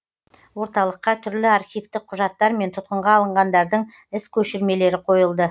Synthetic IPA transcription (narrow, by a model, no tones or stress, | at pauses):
wo̞ɾt̪ɑlˠəqːɑt̪ʰʏɾlɪaɾχʲijft̪ɪk̚qʰːʊʒɑt̪ːɑɾme̞nt̪ʰʊt̪̚qəɴʁɑːlˠəɴʁɑnd̪ɑɾd̪əɴ | ɪskʲʰɵʃɪɾme̞le̞ɾɪqʰo̞jəlˠd̪ə